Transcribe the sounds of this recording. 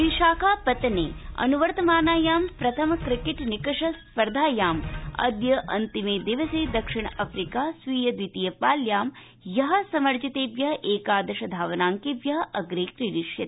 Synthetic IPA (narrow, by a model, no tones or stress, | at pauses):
ʋiʃaːkʰaːpɐt̪ɐneːɐ̰nuʋɐɾt̪ɐmaːnaːjaːmpɾɐt̪ʰɐmɐkɾɪkeʈnikɐʂɐspɐɾd̪ʱaːjaːmɐ̰d̪jɐʔɐ̰nt̪imeːd̪iʋɐseːd̪ɐkʂiɳ̃ɐɐfɾikaːsʋiːjɐd̪ʋit̪ijɐpaːljaːm | jɐɦɐ̆sɐmɐɾd͡ʒɐt̪eːʋjɐʔeːkaːd̪ɐʃɐd̪ʱaːʋɐnaːŋkeʋjɐɦʔɐɡɾeːkɾiɾiʂjɐt̪